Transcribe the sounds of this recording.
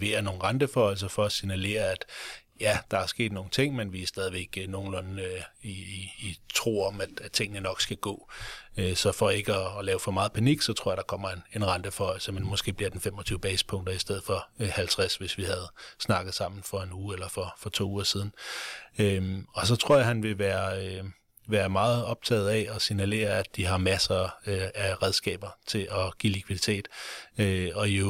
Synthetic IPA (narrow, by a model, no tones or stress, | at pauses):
ʋe̝̰ːɐno̝ːn̩ʁɑnd̥əfɒɒɪl̩s̬ɐfɒ̽ːsinæle̝̰ːɐæd̥jæd̥ɑ̈æɐsɡ̥e̝̰ːd̥no̝ːŋn̩t͡sʰe̝ŋ̰menʋiæsd̥ɛðˠiʋeɡ̥no̝ːn̩lɔ̽niː | t͡sʰʁo̝̰ːɒ̽mæd̥æ̥t͡sʰe̝ŋ̰ənənɒ̽ɡ̥sɡ̥æɡ̥ɔ̰ːøsɒ̽fɒ̽e̝ɡ̥əɒ̽ːlɛːʊfɒ̽mɑ̈ːð̩ˠpʰæniɡ̥sɒ̽t͡sʰʁoɐ̰ɐd̥ɑ̈kʰɒ̽m̰ɐe̝ne̝nʁɑnd̥əfɒ̽ɪ̰l̩səmenmɔ̽sɡ̥e̝̰ːbliɐd̥enfemɒ̽t͡sʰyːʊb̥ɛ̰ːsə̥pʰɔ̽ŋ̰d̥ɐisd̥eð̞̰̩ˠfɒ̽hælt͡sʰʁasʋe̝sʋihæð̞̩ˠsnɑ̈ɡ̥ð̩ˠsɑ̈m̰n̩fɒ̽e̝nuːelɐfɒ̽fɒ̽t͡sʰo̝̰ːuːɐsið̞ˠn̩øɒ̽s̬ɒ̽t͡sʰʁo̝ɐ̰jɑ̈hænʋe̝ʋæːɐ | ʋæːɐmɑ̈ːð̞̩ˠɒ̽b̥̚t͡sʰɛ̰ːð̩ˠɛɒ̽sinæle̝̰ːɐæd̥iɦɑ̈mæsɐæʁɛð̞ˠsɡ̥ɛ̰ːb̥ɐt͡sʰe̝lʔɒ̽ɡ̥ilikʰʋið̥ˠit͡sʰe̝̰ːd̥øɒ̽